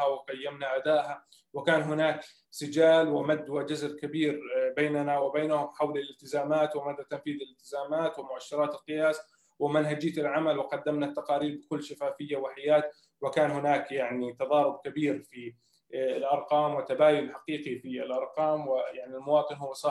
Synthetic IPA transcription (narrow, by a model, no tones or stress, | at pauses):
awɪqajːamnaʔad̪aːʔha | wɪkaːnɦʊnaːk | sʊd͡ʒaːlwɪmad̪ːwad͡ʒʊzlkabiːɾbeːnanawɪbaːnahʊmħawlɪlɪlt̪ɪzaːmaːt̪wɪmad̪ːat̪amfiːðɪlɪlt̪ɪzaːmaːt̪wɪmʊʔaʃːɑɾˤɑːt̪ɪlqɪjaːs | wɪmanɦad͡ʒɪːt̪ɪlʕamalwɪqɑd̪ːamnat̪ːɑqɑːɾiːɾbɪkʊlːʃafaːfɪjːawɪħajaːt̪ | wɪkaːnɦʊnaːkjaʕnit̪ɑðˤɑːɾˤʊb̚kabiːɾfi | ɪlʔɑɾˤqɑːmwɪt̪abaːjʊlħaqiːqifiɪlʔɑɾˤqɑːmwɪjaʕnilmʊwɑːt̪ˤɨnɦʊwːasˤɑː